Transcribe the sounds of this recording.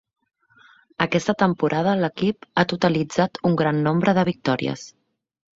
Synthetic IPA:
əkɛst̪ət̪əmpuɾʔaðələkipat̪ut̪əlid͡zat̪uŋɡɾanːombɾəðəβ̞ik̚t̪ɔɾḭə̰s

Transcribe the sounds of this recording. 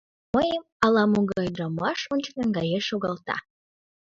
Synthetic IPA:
məjəm | ɑlɑmuɡɑjd̪ɾəmɑʃonʲt͡ɕnəŋɡɑjeʃoɣɑlˠt̪ɑ̰

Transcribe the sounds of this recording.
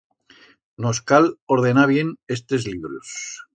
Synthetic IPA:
noskaloɾð̞e̞naβje̞ne̞st̪ezliβɾus

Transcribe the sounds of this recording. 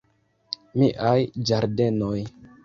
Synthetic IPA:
miʔajd͡ʒaɾde̞noj

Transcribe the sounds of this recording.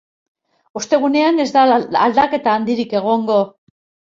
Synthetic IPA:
ust̪e̞ɣ̞une̞ane̞zd̪aald̪ake̞t̪aːnd̪iɾike̞ɣ̞o̞ŋɡo̞

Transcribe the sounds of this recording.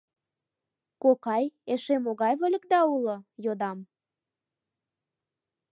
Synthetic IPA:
kokɑjeʃemoɣɑjβolʲə̆kd̪ɑulojod̪ɑm

